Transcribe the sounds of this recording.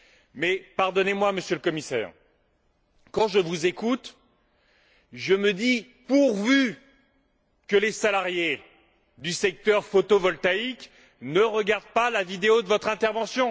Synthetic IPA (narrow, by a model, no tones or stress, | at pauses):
mɛpaʁd̪ɔnemwaməsjøləkɔmisɛ̰ːʁ | kɑ̃ʒəvuzekut̪ | ʒəməd̪i | puʁvy | kəlesalaʁje | d̪ysɛk̚t̪œʁfot̪ovɔlt̪aik | nəʁəɡaʁd̪̚palavid̪eod̪əvɔt̪χɛ̃t̪ɛʁvɑ̃sjɔ̃